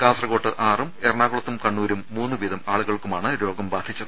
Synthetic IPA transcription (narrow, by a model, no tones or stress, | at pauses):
kaːsrɐɣo̞ːʈːɨʔaːrumerɳaːɣuɭɐt̪ːumkɐɳːuːɾumːuːnːuʋiðɐmaːɭuɣɐɭkumaːɳɨɾo̞ːɡɐmbaːd̪ʱit͡ɕːɐðɨ